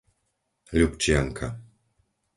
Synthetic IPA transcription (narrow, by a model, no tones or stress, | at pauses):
lʲupt͡ɕjaŋkʰa̰